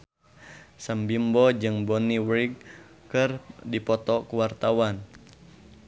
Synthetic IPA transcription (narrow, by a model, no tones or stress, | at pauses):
sambimbɔd͡ʒɨŋbɔniwɾiɡ̚kːɨrdipɔt̪ɔkuwart̪awan